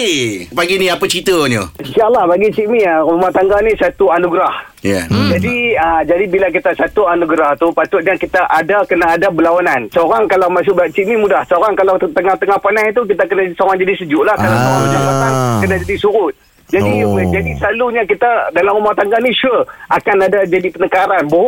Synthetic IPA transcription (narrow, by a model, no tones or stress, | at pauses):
ipaɡinĩapət͡ʃit̪əɲusiaʔlahbaɡit͡ʃiʔmiaɾumaht̪aŋɡanisat̪uanuɡɾah | ja̰d͡ʒadiəd͡ʒadibilak̬it̪asat̪uanuɡɾaht̪upat̪ʊt̪̚jakit̪aʔadakənaːdabəlawanansəoɾaŋkalawmas̬ʊk̚bat͡ʃiʔmimudahsəoɾaŋkalawt̪əŋaht̪əŋahpanat̪̬uk̬it̪akənasəoɾaŋd͡ʒadisəd͡ʒʊʔlahkalabaud͡ʒadisotaŋkənad͡ʒadisuɾʊt̪̚ | d͡ʒadid͡ʒadisəlaluɲakit̪adalamɾumaht̪aŋɡahniʃəʔakanadad͡ʒadipənəkaɾanbu